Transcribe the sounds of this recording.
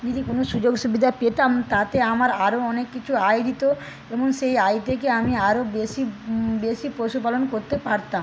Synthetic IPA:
d͡ʑid̪ikonoʃud͡ʑoɡʃubid̪ʱapet̪amt̪at̪eamaɾaɾoɔnekːit͡ɕʰuajd̪it̪o | eboŋʃejajt̪ʰekeamiaɾobeʃibeʃipɾoʃupalonkoɾt̪epaɾt̪a

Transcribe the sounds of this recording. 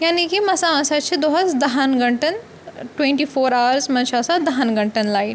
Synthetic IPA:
jaːnikimɐsamɐsat͡ʃʰid̪oɦasd̪ɐɦanɡɐɳʈən | ʈwẽɳʈifoːɾaʋəɾsmɐnʃaːsad̪ɐɦanɡə̃ɳʈənlaːin

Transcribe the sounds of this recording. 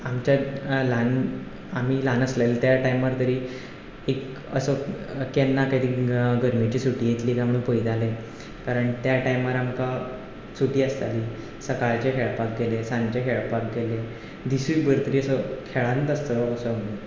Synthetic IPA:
amt͡ɕalan | am̤iːlanəsləlt̪jaʈajmʋaɾt̪əɾiː | ek | ə̰səkenːakad̪iːɡəɾmit͡ɕiːsuʈiːjet̪liːk̪amɭuːpəjd̪ale | kaɾəɳt̪jaʈajmʋaɾamka | sut̪iːəst̪aliː | səkaɭt͡ɕekʰeɭpak̚ɡelesãnt͡ɕakʰeɭpak̚ɡelẽ | d̪isuibəɾt̪əɾiːəsəkʰeɭant̪əst̪əəsəmne

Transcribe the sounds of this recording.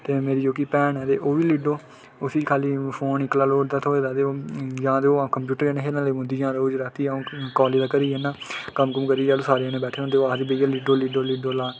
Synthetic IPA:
t̪eːmeːɾiːd͡ʒoːkiːpɛːnɛːt̪ḛːʔoːʋiːliɖoː | ʊsiːt͡ʃkʰaːliːpʰoːnɪklaːloːɖd̪aːt̪ʰoːeːd̪aːd̪eːoːjãːd̪eːõːkəmpjuːʈəɾːneːɦeːnãːleːmʊ̃d̪iːd͡ʒãːd̪aːoːd͡ʒɾaːt̪iːãːkɔːliːd̪aːkəɾiːɛnaːkəmkəmkəɾiːd͡ʒaːloːsaːɾeːneːbɛːʈʰeːõnt̪eːoaːd̪iːbəijaːlɪɖoːlɪɖoːlɪɖoːlaː

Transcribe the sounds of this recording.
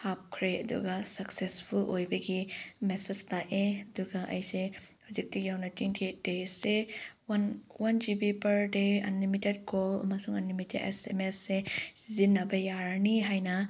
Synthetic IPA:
hap̚kʰɾeɐdṵɡɐsɐksespʰulojbɐɡimesestaeɐduɡɐʔɐ̰jsehuzik̚tiɡiawnɐtiŋtʰedesewɐnwɐnd͡ʒibipɐɾdeɐ̰nlimited̚kolɐ̰mɐsuŋɐnlimitʰedḛsḛmesːesizinːɐbɐjaɾniɦajnɐ

